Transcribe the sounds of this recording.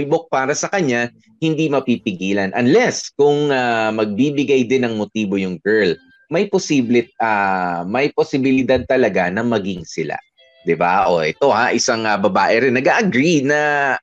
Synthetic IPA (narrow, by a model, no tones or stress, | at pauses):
ɪbok̚paːɾɐsɐkɐɲa | hɪnd̪imɐpipɪɡiːlɐnʔɐnlɛskʊŋamɐɡ̚biːbɪɡajd̪ɪnːɐŋmot̪iːbo̞jʊŋɡɛɹl | mɐjposiblɪt̪̚amɐjposɪbɪlɪd̪ad̪̚t̪ɐlɐɡanɐmɐɡiŋsɪla̰ | d̪̥ɪba̰ʔoʔɛt̪o̞haʔɪsaŋɐbɐbaːʔɛɾɪnːɐɡaʔɐɡɾinɐ